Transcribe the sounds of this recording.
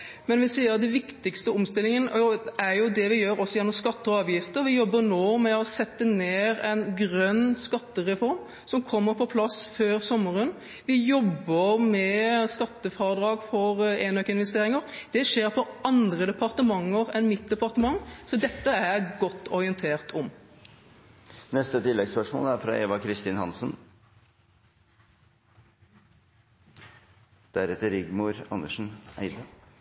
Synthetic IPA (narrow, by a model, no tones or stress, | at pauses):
mɛnʋɪsiːəɾd̪ɛnʋɪkt̪ɪkst̪əʊmst̪ɪlɪŋənəʔɔæɾjʊd̪ɛʋɪjøːɾɔsːɔjɛnːɔmskɑt̪ːəɔɑːʋjɪft̪əɾʋɪjɔbːəɾnoːmɛɔsɛt̪ːəneːɾɛnɡɾœnːskɑt̪ːəɾɛfɔɾm | sɔmkʰɔmːəɾpʰɔpʰlɑsføːɾsɔmːəɾən | ʋɪjɔbːəɾmɛskɑt̪ːəfɑɾəd̪ɾɑːɡfɔɾeːnøkəɪnʋɛst̪eːɾɪŋəɾd̪̥ɛʃeːɾpʰɔʔɑnd̪ɾəd̪ɛpʰɑʁt̪əmɑŋːəʁɛnmɪt̪̚d̪ɛpɑʁt̪əmɑŋːsɔd̪ɛt̪ːəæɾɡɔt̪ːɔɾɪənt̪ʰeːʁt̪ʰɔm | nɛst̪ət̪ɪlːɛɡspœʂmo̰ːlæɾfɾɑ̰ʔeːʋɑkʰɾɪst̪iːnhɑnsən | d̪̥æɾɛt̪əɾɪɡmuɾɑ̰nːəʂn̩æ̰ɪd̪ə